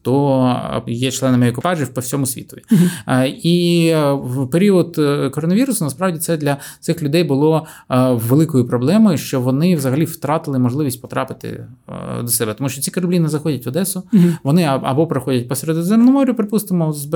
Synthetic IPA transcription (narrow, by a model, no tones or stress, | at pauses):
t̪ɔ | jɛt͡ʃlˠɛnɐmɪekʊpɑʒiwpɔwsʲɔmʊsʲʋʲḭt̪ɔʋʲi | i | peɾʲiɔd̪kɔɾɔnɐʋʲiɾʊsɐnɐspɾɑʋdʲit̪sɛd̪lʲɐt̪sɪxlʲʊd̪ɛjbʊlˠɔː | elˠɪkɔjʊpɾɔblˠɛmɔjʊʃt͡ʃɔʋɔnɪʋzɐɦɐlʲift̪ɾɑt̪ɪlˠɪmɔʒlˠɪʋʲisʲtʲpɔt̪ɾɑpɪ̥t̪ɪ̰d̪ɔsɛbɛt̪ɔmuʃt͡ʃɔt͡sʲikɐɾɐblʲinɛzɐxɔdʲɐtʲʋɐd̪ɛsʊʋɔnɪɐ̰bɔpɾɪxɔdʲɐt̚ʲpɔsɛɾed̪ɔzɛmnɔmɔɾʲʊpɾɪpust̪ɪmɔzb